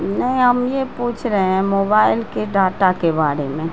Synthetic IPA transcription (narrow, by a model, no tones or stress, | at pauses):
nəɦĩɦəmjepuːt͡ʃʰɾəɦeɦɛ̃moːbaːɪlkeɖaːʈakebaːɾemẽ